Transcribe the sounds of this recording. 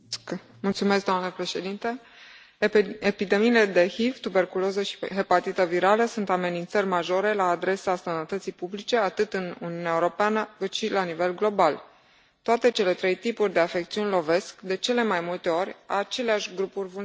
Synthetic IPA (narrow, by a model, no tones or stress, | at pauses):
mult̪sumesk̚d̪oamnəpɾe̞ʃe̞d̪int̪e | epid̪e̞miːle̞d̪e̞hivt̪ube̞rkulozəʃi̥ɦepat̪it̪əviɾaləsunt̪ame̞nint̪sərʲmaʒo̞ɾe̞laːd̪ɾe̞sasənət̪ət̪sijpublit͡ʃe̞at̪ɨt̪ɨnuniunaeuɾo̞peanəkɨt̪ʃilanive̞lɡlo̞bal | t̪oat̪e̞t͡ʃe̞le̞t̪ɾe̞jt̪ipurʲd̪e̞afe̞kt̪siunʲlo̞ve̞skd̪e̞t͡ʃe̞le̞majmult̪e̞o̞ɾʲa̰aat͡ʃe̞leaʃʲɡɾupurʲvu